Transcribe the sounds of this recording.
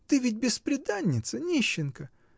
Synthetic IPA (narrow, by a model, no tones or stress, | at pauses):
t̪ɨvʲɪtʲbʲɪspɾʲɪd̪anʲːɪt̪sənʲiɕːɪnkə